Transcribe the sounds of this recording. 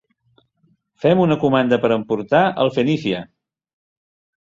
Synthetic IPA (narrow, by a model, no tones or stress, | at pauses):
fɛmunəkumand̪əpəɾəmpuɾt̪aə̰lˠfənisiə